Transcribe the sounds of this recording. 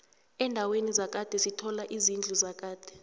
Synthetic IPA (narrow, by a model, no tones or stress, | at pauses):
ɛndʱawenizak̬ʼad̥ʱɛsitʰɔlaʔizind͡ɮʱuzak̬ʼaːd̥ʱɛ̥